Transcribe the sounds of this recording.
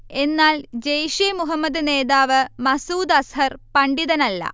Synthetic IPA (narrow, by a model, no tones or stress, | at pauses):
e̞nːaːld͡ʑejʂimuɦɐmːɐd̪ɨne̞ːðaːʋɨmɐsuːd̪ɐsɦɐrpɐɳɖiðɐnɐlːɐ̰